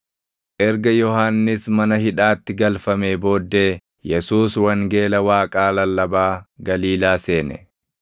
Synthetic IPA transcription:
ʔɛɾɡɐjɔhaːnːɪsmɐnɐhɪᶑaːt̪ːɪɡɐlfɐmeːbo̞ːd̪ːe̞ː | jɛsuːswɐŋɡe̞ːlɐwaːkʼaːlɐlːɐbaːɡɐliːlaːse̞ːnɛ̰

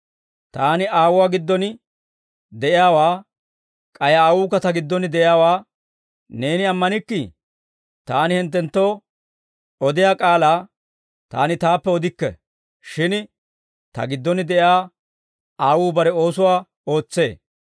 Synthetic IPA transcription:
t̪aːnɪʔaːwʊwaːɡɪd̪ːɔn | d̪ɛʔɪjaːwaː | kʼɐjaaːwuːkːɐt̪ɐɡɪd̪ːɔnɪd̪ɛʔɪjaːwaː | ne̞ːnɪɐmːɐnɪkːɪ | t̪aːnɪhɪnt̪̬ːɛnt̪ːo̞ː | ɔd̪ɪjaːkʼaːlaː | t̪a̰ːnɪt̪aːpːɛɔd̪ɪkːɛ̰ | ʃɪn | t̪ɐ̰ɡɪd̪ːɔnɪd̪ɛʔjaː | aːwuːbɐɾɛo̞ːsʊwaː | o̞ːt͡sːe̞ː

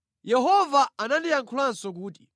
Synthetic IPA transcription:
jɛɦɔvaanandijaŋkʰulansɔk̬uːt̬i̥

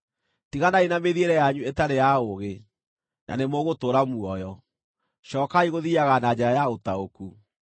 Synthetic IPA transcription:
tiɣanainameðieɾɛjaɲuetaɾejaoɣe | nʔa̰nemoɣotoːɾamuɔjɔ | ɕɔːkaiɣoðiaɣanad͡ʑɛɾajaotaoku

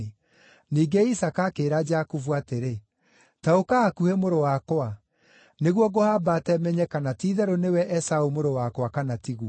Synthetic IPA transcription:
niːɡeisakakeːɾad͡ʒakuvuateɾe | taokaakuhemoɾowakoa | neɣwɔɡohabaːtɛmɛɲɛkanatiðɛɾonewɛʔɛsaomoɾowakwakanatiɣuɔ

